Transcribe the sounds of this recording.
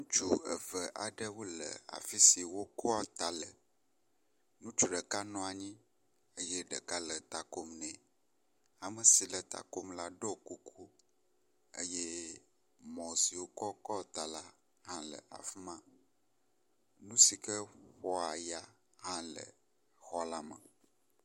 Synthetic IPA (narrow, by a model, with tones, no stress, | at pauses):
nũ˦t͡ʃu˨ə̰˨və˨ʔa˨ɖə˦wo˦lə̰˨a̰˨fi˦si˨wo˦kʰɔ˦a˦t̪a˨lə˨ | nũ˦t͡ʃu˨ɖə˨ka˦nɔ̃˦a˨ɲĩ˦ | ə˦jɛ˦ɖə˨ka˦lə˨t̪a˨ko˦mnɛ̃˨ | a˨mə˨si˨lə˨t̪a̰˨ko˦mla˦ɖɔ˦ku˦kʰu˦ | ḛ˦jɛ˦ | mɔ̃˨si˨wo˦kɔ˦kɔ˦˨t̪a˨la˦ | hã˦lə̰˨ʔa̰˨fi˦mã˦ | nũ˦si˨kə˦ɸɔ˦a˨ja˦ | hã˦lə̰˨ | xɔ˦la˦mə̃˨